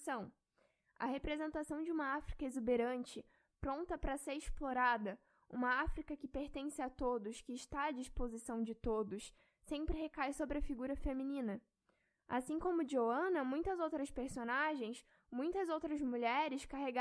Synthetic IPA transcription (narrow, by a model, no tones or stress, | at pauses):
sɐ̃w̃ | ɐ̰hepɾezẽnt̪asɐ̃w̃d͡ʒɪũmɐafɾi̥kɐezubeɾɐ̃nt͡ʃɪ | pɾõnt̪ɐpɾɐseɾɪsploɾad̪ɐ | ṵ̃mɐafɾikɐkɪpeɾt̪ẽsɪat̪od̪ʊskɪːʃt̪aːd͡ʒispozisɐ̃w̃d͡ʒɪt̪od̪ʊs | sẽmpɾɪɦekajsobɾɪɐfiɡuɾɐfemĩnĩnɐ | a̰sĩŋkõmʊd͡ʒioɐ̃nɐmũj̃t̪ɐzowt̪ɾɐspeɾsonaʒẽj̃s | mũj̃t̪ɐzowt̪ɾɐzmuʎɛɾɪskaɦeɡa